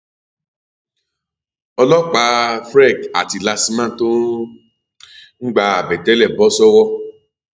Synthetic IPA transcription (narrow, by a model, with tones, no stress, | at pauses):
ɔ˧lɔ˦k͡pa˧fɾɛ˦˨ka̰˨ti˧la˧si˧mã˦˨to˦ | ŋ̩˦ɡ͡ba˧a˨bɛ˨tɛ˨˦lɛ˦˨bɔ˨˦sɔ˦wɔ˦